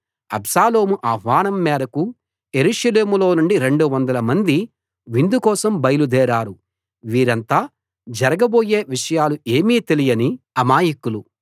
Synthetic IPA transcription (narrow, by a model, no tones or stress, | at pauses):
ɐbsaːlo̞ːmuʔaːɦʋaːɳɐmːɛːɾɐku | e̞ɾuːʂɐle̞ːmulo̞ːnuɳɖiɾe̞ɳɖuʋɐnd̪ɐlɐmɐnd̪i | ʋind̪ukɔːsɐmbɐjɐlud̪ɛːɾaːɾu | ʋiːɾɐnt̪aː | d͡ʒɐɾɐɡɐbo̞ːje̞ːʋiʂɐjaːlue̞ːmiːt̪elijɐni | ɐmaːjikulu